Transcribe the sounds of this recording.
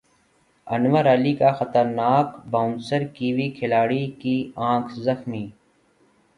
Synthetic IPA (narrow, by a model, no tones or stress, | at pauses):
ənʋəɾɐlikaxət̪əɾnaːkbaʊnsəɾkiːʋiːkʰɪlaːɽiːkiːãːkʰzəxmiː